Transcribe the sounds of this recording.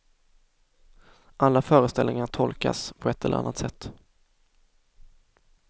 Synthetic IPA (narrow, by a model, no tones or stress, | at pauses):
ʔalːafœːɾəst̪ɛlnɪŋaʈʰɔlka̰spʰɔɛt̪ːɛlːə̰ɾa̰nːat̪sɛt̪ː